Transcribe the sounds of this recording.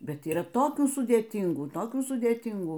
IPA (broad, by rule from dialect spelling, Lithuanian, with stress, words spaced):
ˈbʲɛt iːˈrɐ ˈtoːkʲuː sʊdʲeːˈtʲɪŋɡuː ˈtoːkʲuː sʊdʲeːˈtʲɪŋɡuː